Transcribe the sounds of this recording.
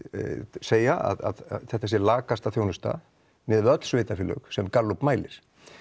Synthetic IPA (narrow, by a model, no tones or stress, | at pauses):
seːjaa̰ða̰ðθɛht̪aɛs̬ɪlaːkast̪aθjownʏst̪a̰ | mɛðvœt̪sveːjt̪afɪlːœ̰ɣsɛmkalːupmaːjlɪɾ̥